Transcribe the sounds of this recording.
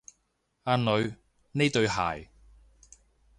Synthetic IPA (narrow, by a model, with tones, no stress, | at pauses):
aː˧nlɵ˨˧ɥ | ne˥t̪ɵ˧ɥɦa̰ː˨˩j